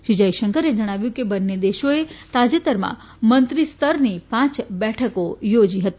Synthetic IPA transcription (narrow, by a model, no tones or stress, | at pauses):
ʃid͡ʒaiʃəŋkəɾed͡ʒəɽ̃aʋjũkebənːed̪eʃoet̪ad͡ʒet̪əɾmã̰ | mənt̪ɾist̪əɾnipãt͡ʃbɛʈʰəkojod͡ʒiɦət̪i